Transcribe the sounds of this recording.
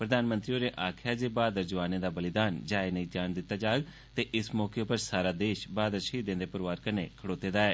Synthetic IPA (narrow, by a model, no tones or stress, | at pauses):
pɾəd̪aːnmə̃nt̪ɾioːɾeːʔaːkʰaːd͡ʒeːbaːd̪əɾd͡ʒəʋaːneːd̪aːbəlɪd̪aːnd͡ʒaːenəĩːd͡ʒaːnd̪ɪt̪ːaːd͡ʒaːɡ | t̪eːʔɪsmɔːkeoːpəɾsaːɾaːd̪eːʃbaːd̪əɾʃiːd̪ẽnd̪eːpəɾʋaːɾkənḛːkʰəɽoːt̪eːd̪aːɛː